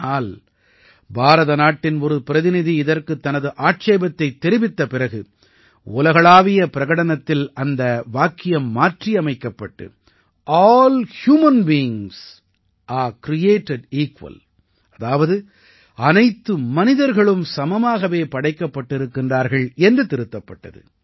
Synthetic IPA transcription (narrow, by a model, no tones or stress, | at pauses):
aːl | bʱaːɾɐðɐnaːʈːɪnɔɾɯpɪɾɐðɪnɪðiɪðɐɾkɯt̪ːɐnɐðɯʔaːʈ̚t͡ʃeːbɐt̪ːɐɪt̪ːɛɾɪʋɪt̪ːɐpɪrɐɣɯ | ʊlɐɣɐɭaːʋɪjɐpɪɾɐɣɐɽɐnɐt̪ːɪlɐnd̪ɐʋaːkːɪjɐmːaːʈriɐmɐɪkːɐpːɐʈːɯ̰ | ʔaːlhjuːmɐnbijɪŋs | ʔaːɾkɾɪjeːʈɛɖiːkʋɐ̰l | ɐðaːʋɐðɯ | ɐnɐɪt̪ːɯmɐnɪðɐɾɣɐɭɯmsɐmɐmaːɣɐʋeːpɐɽɐɪkːɐpːɐʈːɪɾɯkːɪndraːɾɣɐɭɛndrɯt̪ɪɾɯt̪ːɐpːɐʈːɐ̰ðɯ̰